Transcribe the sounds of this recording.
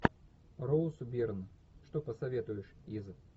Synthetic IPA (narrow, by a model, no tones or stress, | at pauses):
rowsʊbʲirnə | ʂt̪opəsɐvʲet̪ʊjɪʂizɨ